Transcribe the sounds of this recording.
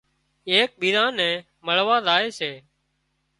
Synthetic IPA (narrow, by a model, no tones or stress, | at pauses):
eːk̚ɓiːɾãːnɛ̃ː | məɭʋaːzaːeːseː